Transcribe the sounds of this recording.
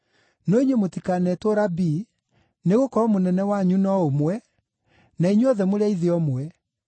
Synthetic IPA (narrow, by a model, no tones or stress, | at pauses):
nɔiɲemotikanɛtoɾabiː | neɣokɔɔmonɛnɛwaɲunɔomwɛ | naiɲeɔðɛmoɾeaiðeɔmwɛ